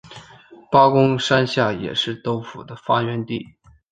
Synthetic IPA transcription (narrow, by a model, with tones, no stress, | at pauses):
pɑ˥ʊkʊ˥ŋʂa˥nɕja˥˩jɛ̰˨˩ʂɻ̩˥˩t̪o˥ʊfu˨˩d̪ə˦fa˥ɥɛ˧˥nt̪i˥˩